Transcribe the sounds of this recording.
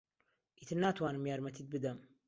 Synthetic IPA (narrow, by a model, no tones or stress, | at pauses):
ʔit̪ʰɨɾnaːt̪waːnɨmjaːɾmɐt̪ʰit̪̚bɨd̪ɐm